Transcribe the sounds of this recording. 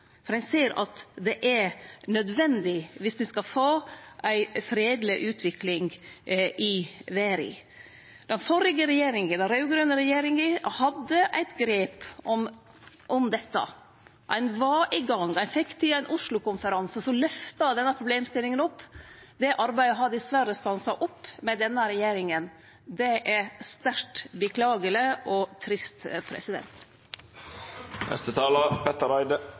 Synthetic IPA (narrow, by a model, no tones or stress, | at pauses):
fɔɾænseːɾɑ̰t̪d̪ɛʔæɾnœd̪ʋɛnd̪ɪʋɪsmɪskɑfoːʔæɪfɾeːd̪lɪʔʉːt̪ʰʋɪklɪŋɡʔɪʋeːɾɪ̰ | d̪̥ɛnfɔɾɪɡəɾɛjeːɾɪŋəd̪ɛnɾɑʉɡɾøːnəɾɛjeːɾɪŋəhɑd̪ːəʔæ̰ɪt̪ɡɾeːpɔm | ʔɔmd̪ɛt̪ːə̰ | ʔæ̰ɪnʋɑʔɪɡɑŋæɪnfɛkːt̪ʰɪæɪnʔʊʂlʊkʊnfəɾɑnsəsɔlœft̪ɑd̪ɛnːəpʰɾʊbleːmst̪ɪlːɪŋənɔpːd̪ɛʔɑɾbæɪd̪əɦɑd̪ɪsʋæɾəst̪ɑnsɑʔɔpːmɛd̪ɛnːəɾɛjeːɾɪŋən | d̪ɛʔæst̪æɾtbəkʰlɑːɡələʔɔt̪ʰɾɪst̪pʰɾɛ̰sɪd̪ɛ̰nt̪ | nɛ̰st̪ət̪ʰɑːlɑpʰɛt̪əɾæɪd̪ə